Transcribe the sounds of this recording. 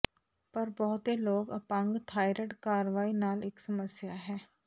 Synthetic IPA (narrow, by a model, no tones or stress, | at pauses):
pɐɾbɔɦʊt̪eloːɡɐpə̃ŋɡt̪ʰaːɪɾəʈkaːɾʋaːinaːleːksɐməsjaɦɛː